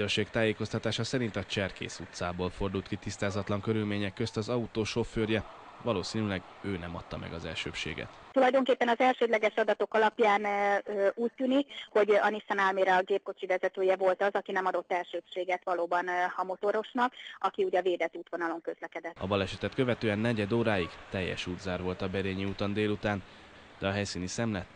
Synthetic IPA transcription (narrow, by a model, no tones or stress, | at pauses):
ørʃeːkt̪aːjeːko̞st̪ɒt̪aːʃɒsɛɾint̪ɒt͡ʃɛrkḛːsut̪saːboːlfo̞rd̪ult̪kit̪ist̪aːzɒt̪lɒŋkøɾylmeːɲɛkːø̞st̪ɒzɒut̪oːʃo̞fːøːrjɛ | ʋɒloːsiːnylɛɡ | øːnɛmɒt̪ːɒmɛ̰ɡɒzɛ̰lʃø̰ːpʃḛːɡɛ̰t̪t̪ulɒjd̪o̞ŋkeːpːɛnɒzɛlʃøːd̪lɛɡɛʃɒd̪ɒt̪o̞kɒlɒpjaːnøuːc̚t̪yːnikho̞ɟɒnisɛnalmeːɾɒɡeːp̚ko̞t͡ʃivɛzɛt̪øːjɛvo̞lt̪ɒzɒkinɛmɒd̪o̞t̪ːɛlʃøːpʃeːɡɛt̪ʋɒloːbɒnhɒmo̞t̪o̞ɾo̞ʃnɒkɒkiuːɟɒveːd̪ɛt̪ːuːt̪ʋo̞nɒlo̞ŋkø̞zlɛkɛd̪ɛt̪ːɒ̰bɒlɛʃɛt̪ɛt̪kø̞vɛt̪øːɛnːɛɟɛd̪oːɾaːjiɡt̪ɛjːɛ̰ʃuːd̪zaːrvo̞lt̪ɒbɛɾeːɲiut̪ond̪eːlut̪aːn | d̪̥ɛɒɦɛjsiːnisɛmlɛt̪ː